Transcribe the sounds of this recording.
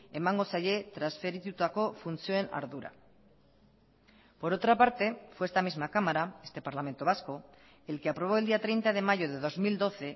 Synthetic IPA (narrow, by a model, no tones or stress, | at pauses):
emãŋɡosaʝe̞t̪ɾasfeɾit̪ut̪ako̞funθjoena̰ɾðuɾa̰ | po̞ɾo̞t̪ɾapaɾt̪e̞fweest̪amizmakamaɾae̞st̪e̞paɾlamẽ̞nt̪o̞βasko̞ | e̞lke̞apɾo̞β̞o̞eld̪iat̪ɾe̞jnt̪aðe̞maʝo̞ð̞e̞ðo̞zmild̪o̞θe̞